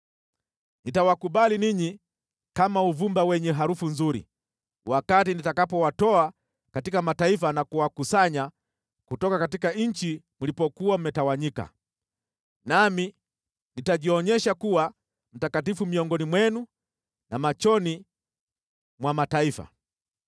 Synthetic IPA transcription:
nitawakuɓaliniɲi | kamauvumbawɛɲɛɦaɾufunzuɾḭ | wakatinitakapɔwatɔa | katikamataifanakuwakusaɲa | kutɔkakatikaɲ̩t͡ʃi | mulipɔkuam̩mɛtawaɲika̰ | nami | nitaʄiɔɲɛʃakuwa | m̩takatifumiɔŋɡɔnimwɛnu | namat͡ʃɔni | mwamataifa̰

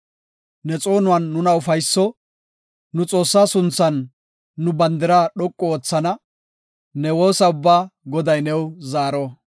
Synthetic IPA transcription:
nɛt͡sʼo̞ːnʊwɐnːʊnɐʊfɐjsːɔ | nʊt͡sʼo̞ːsːaːsʊnt͡sːɐnː | ʊbɐnd̪ɪɾaːɗɔkʼːɔoːt͡sːɐnɐ | nɛwoːsɐʊbːaːɡɔd̪ɐjnɛwzaːɾɔ

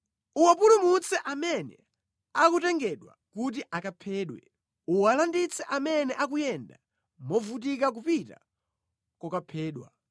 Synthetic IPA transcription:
uwapulumut͡sɛʔamɛnɛ̰ | akutɛŋɡɛɗwa | kut̬iʔakapʰɛːɗwɛ̰ | uwalandit͡sʰɛʔamɛnɛʔak̬ujɛnda̰ | mɔvut̬ikak̬upita̰ | kɔkapʰɛːɗwa̰

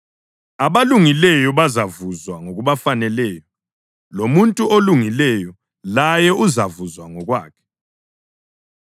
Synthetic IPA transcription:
aβaluŋilɛjɔβazavuzwaŋoɣuβafanɛlɛːjɔ | lomuntʼuoluŋilɛjɔ | lajɛʔuzavuzwaŋɔɣwa̰ːkʰɛ̥

